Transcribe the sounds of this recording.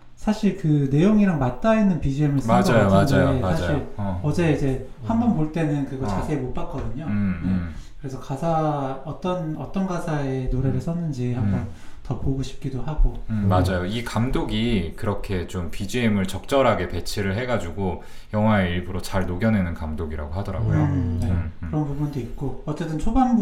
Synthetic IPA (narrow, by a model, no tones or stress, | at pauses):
sʰaɕʰiɭkɯne̞joŋiɾaŋmat̚t͈ainːɯnpid͡ʑiemɯɭsaɡajomad͡ʑajoeasad͡ʑaɕiɾʌd͡ʑe̞id͡ʑe̞ | hambʌnpoɭt͈e̞nɯnkɯɡʌt͡ɕasʰe̞ːmop͈ak̚k͈ʌdɯɲoɯmne̞kɯɾe̞sʰʌkasʰaʌt͈ʌnʌt͈ʌnɡasʰae̞noɾe̞ɾɯɭs͈ʰʌnːɯnd͡ʑihambʌn | tʌpoɡoɕʰi̥p̚k͈idohaɡomad͡ʑajoikamdoɡikɯɾʌkʰe̞t͡ɕompid͡ʑiemɯɭt͡ɕʌk̚t͡ɕ͈ʌɾɦaɡe̞pe̞t͡ɕʰiɾɯɭɦe̞ɡad͡ʑuɡo | jʌŋɦwaeiɭbɯɾot͡ɕaɭnoɡjʌne̞nɯnkamdoɡiɾa̰ɡoɦadʌɾa̰ɡojone̞ɯɯɾʌnpubundoik̚k͈oʌt͡ɕ͈e̞t͈ɯnt͡ɕʰoban